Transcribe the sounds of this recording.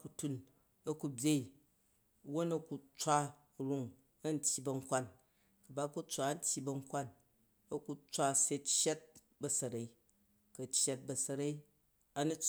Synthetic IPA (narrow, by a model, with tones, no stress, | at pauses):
ku˨tu˦n | ɐ˦ku˨bʲje˦i˨ | wo˦nɐ˦ku˧t͡sʷa˦˨ | ɾu˦ŋ | ɐ˦n̩˦tʲji˨bɐ˨˧ŋ̩˦kʷa˦˨n | kɐ˨ba˦ku˦t͡sʷa˨˦n̩˦tʲji˦bɐ˦˧ŋ̩˦kʷa˦˨n | ɐ˦ku˦t͡sʷa˦se˦t͡ʃje˦t̚ | bɐ˨sɐ˨ɾa˨i˦ | kɐ˨t͡ʃje˦t̚bɐ˨sɐ˧ɾa˦i˦ | ɐ˦nu˦